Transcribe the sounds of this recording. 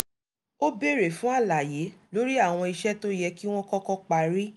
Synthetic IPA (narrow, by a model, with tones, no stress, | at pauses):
o˦be˦˨ɾe˨fũ˦a˦˨la˨je˨˦lo˦ɾi˦a˦˨w̃ɔ̃˧i˧ʃɛ˦to˦jɛ˧ki˦w̃ɔ̃˦kɔ˦kɔ˦k͡pa˧ɾi˦